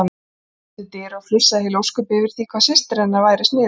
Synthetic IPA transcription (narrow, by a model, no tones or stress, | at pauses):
an | ɪlt̪ɪːɾaɣflʏsːaðhɪlowskʏpɪvɪɾ̥θiːkʰvasɪst̪ɾɛnːavaːjɾɪst̪nɪː